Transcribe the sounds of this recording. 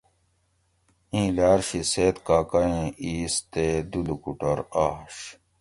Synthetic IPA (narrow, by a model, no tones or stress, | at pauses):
ĩːlaːɾɕiseːt̪kaːkɐẽiːst̪ed̪ulukuʈɐɾaɕ